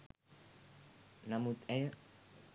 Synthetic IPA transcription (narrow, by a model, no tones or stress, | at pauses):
namut̪ɛjə